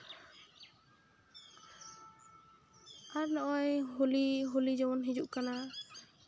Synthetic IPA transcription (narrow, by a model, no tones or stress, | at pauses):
aɾnɔʔɔjɦuliɦulid͡ʒɔwɔnɦid͡ʒuʔkana